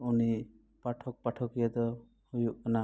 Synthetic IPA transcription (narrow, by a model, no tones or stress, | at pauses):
uni | paʈʰɔk̚paʈʰɔkijad̪ɔ | hujuʔkana